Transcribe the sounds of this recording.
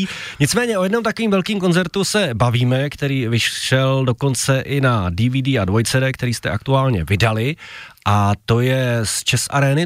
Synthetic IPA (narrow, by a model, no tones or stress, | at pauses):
ɲɪt͡smɛːɲɛʔo̞jɛdno̞mt̪ako̞viːmvɛlkiːmko̞nzɛɾt̪usɛbaviːmɛkt̪ɛɾiːvɪʃʃɛldo̞ko̞nt͡sɛʔɪnadɪviːdiːadvojt͡sɛɾɛːkt̪ɛɾiːst̪ɛʔak̚t̪uaːlɲɛvɪdalɪʔat̪o̞jɛst͡ʃɛsʔa̰ɾɛːnɪ